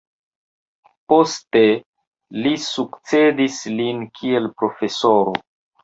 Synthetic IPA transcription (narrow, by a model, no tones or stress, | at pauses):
po̞ste̞ | lisukt͡se̞dislinkʰie̞lpɾo̞fe̞soɾo̰